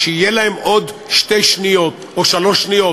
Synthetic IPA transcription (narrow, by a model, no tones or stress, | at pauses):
ʃeijelahemʔod̪ʃt̪e̞jʃnijot̪ʔoʃalo̞ʃnijo̞